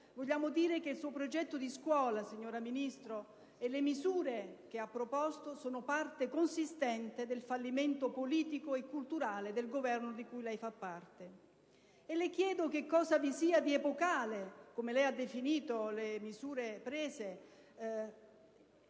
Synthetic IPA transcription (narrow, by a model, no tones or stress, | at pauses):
voʎːaːmod̪iːɾek̟eilsuːopɾod͡ʒɛt̪ːod̪iskwɔːlasiɲːoːɾaminist̪ɾo | ɛlːemizuːɾek̟eapːɾopɔst̪osoːnopart̪ekonsist̪ɛnt̪ed̪elfalːiment̪opoliːt̪ikoekːult̪uɾaːled̪elɡovɛrnod̪ikujlɛjfapːart̪e | elek̟jɛːd̪ok̟ekːɔːzavisiːad̪iepokaːlekomelɛjad̪ːefiniːt̪olemizuːɾepɾeːze